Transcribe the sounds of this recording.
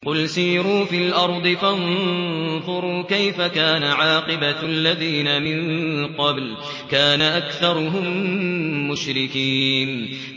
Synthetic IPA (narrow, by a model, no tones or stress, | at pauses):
qʊlsiːɾuːfilʔɑɾˤd̪ˤɨfan | ðˤʊɾuːkajfakaːnaʕɑːqɨbaalːaðiːnamɪnŋqɑbl | kaːnaʔakθɑɾˤʊɦʊmː | ʊʃɾɪkiːn